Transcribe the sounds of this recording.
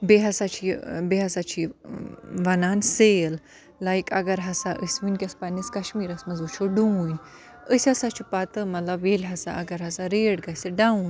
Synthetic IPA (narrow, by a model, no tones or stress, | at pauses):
beɦɐsat͡ʃʰibeɦɐsat͡ʃʰi | ʋɐnaːnseːlː | ajkɐɡɐɾɦɐsaʔəsʲʋɨnʲkʲɐspɐniskɐʃmiːɾɐsmɐzut͡ʃʰoɖuunʲ | əsʲɐsat͡ʃʰipat̪ɨmɐt̪lɐbelʲɦɐsa̰ʔɐɡɐɾɦɐsaɾeːɽɡɐsʲiɖaũn